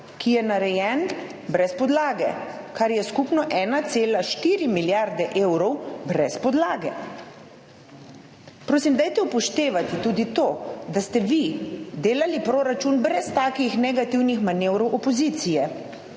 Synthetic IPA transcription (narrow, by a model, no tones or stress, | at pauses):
kijɛnaɾɛjɛn | bɾɛspɔd̪laːɡɛ | kaɾjɛskupnɔʔɛːnat̪seːlaʃt̪iːɾimiljaɾd̪ɛʔeːwɾɔwbɾɛspɔd̪laːɡɛ | pɾoːsimd̪ajt̪ɛupɔʃt̪eːʋat̪it̪uːd̪it̪oːd̪ast̪ɛʋid̪eːlalipɾoːɾat͡ʃunbɾɛst̪aːkixnɛɡat̪iwnixmanewɾɔwʔɔpɔzit̪sijɛ